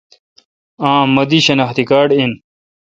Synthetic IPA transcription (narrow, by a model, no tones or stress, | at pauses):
ãːmɐd̪iɕɐnaxt̪ikaːɖin